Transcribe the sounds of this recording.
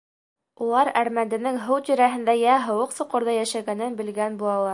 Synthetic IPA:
ulˠɑɾæɾmænd̪ɘ̆nɘŋɦɤwt̪ɵ̆ɾæɦɘ̆nd̪æjæɦɤ̆wɤqsŏqŏɾðɑjæʃæɡænɘnbɘ̆lɡænbuɑlˠɑɾ

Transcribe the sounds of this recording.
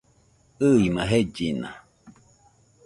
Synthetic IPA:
ɯimaɦed͡ʒinã̰

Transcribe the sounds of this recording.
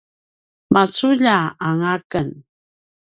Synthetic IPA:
masuʎaaŋakən

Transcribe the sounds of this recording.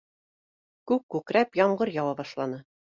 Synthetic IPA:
kʉkkːʉkɾæpjɒɴɢɤɾjɑwɑbɑʃlˠɑnɤ

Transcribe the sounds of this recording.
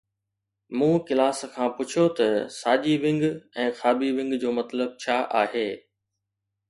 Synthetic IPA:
mũːkɪlaːskʰãːpʊt͡ɕʰot̪ɐsaːʄiʋɪ̃ŋɡɛ̃ːxaːbiʋɪ̃ŋɡd͡ʑoːmɐt̪ləb̚t͡ɕʰaːʔaːɦeː

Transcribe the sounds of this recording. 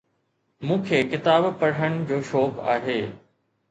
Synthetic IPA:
mũːkʰeːkɪt̪aːbpɐɽ̤əñɪ̆d͡ʑoːʃɔːka̰ːɦeː

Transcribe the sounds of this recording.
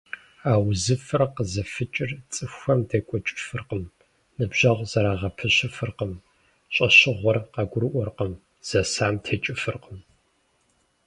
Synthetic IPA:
aːwzɨfɨrqəzɐfɨt͡ʃʼɪrt͡sʼɨxʷɐmdʰekʷʼɔt͡ʃʼɪ̥fɨrqəm | nɨbʑ̥ɐʁʷzɐɾaːʁɐpʰɨɕɪfɨrqəm | ɕʼɐɕɪʁʷɔrqɐɡʷʊɾɨʔʷɔrqəm | z̥ɐsaːmtʰeːt͡ʃʼɪfɨrqəm

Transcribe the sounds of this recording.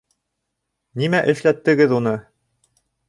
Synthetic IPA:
nimæʔɘ̆ʃlæt̪ːɘ̆ɡɘðunɤ

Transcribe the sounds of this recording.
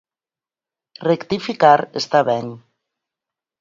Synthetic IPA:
rekt̪ifikaɾest̪aβɛŋ

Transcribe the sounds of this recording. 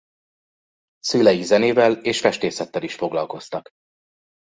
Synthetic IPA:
syːlɛjizɛneːvɛleːʃfɛʃt̪eːsɛt̪ːɛliʃfo̞ɡlɒlko̞st̪ɒk

